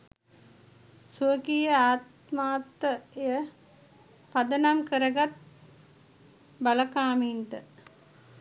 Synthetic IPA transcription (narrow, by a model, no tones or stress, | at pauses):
suəkijəaːt̪ | maːt̪ːəejə | pad̪ənamkəɾəɡat̪̚ | baləkaːminʈə